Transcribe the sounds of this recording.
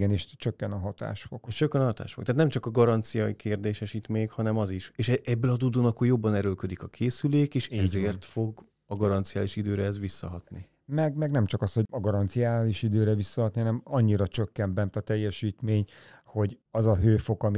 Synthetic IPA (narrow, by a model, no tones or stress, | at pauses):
ɡɛniʃt͡ʃøkːɛnɒɦɒt̪a̰ːʃfokʃt͡ʃøkːɛnɦɒt̪a̰ːʃfokt̪at̪nɛmt͡ʃɒkɒɡɒɾɒnt̪sijɒikʰeːrd̪eːʃɛʃit̪meːɲkhɒnɛmɒziʃeːʃɛɛbːɛlɒd̪ud̪oːnɒkːojo̞bːɒnɛɾølkød̪ikɒkʰeːsyleːkeːʃɛzeːrt̪fo̞ɡ | ɒɡɒɾɒnt̪sijaːliʃid̪øːɾɛɛzʋisːɒɦɒt̪ni | mɛɡmɛɡnɛmt͡ʃɒkɒsho̞ɒɡɒɾɒnt̪sijaːliʃid̪øːɾɛvisːɒɦɒt̪niɦɒnɛmɒɲːiɾɒt͡ʃøkːɛmbɛnt̪ɒt̪ɛjːɛʃiːt̪meːɲho̞ɟɒzɒɦøːfo̞kɒmi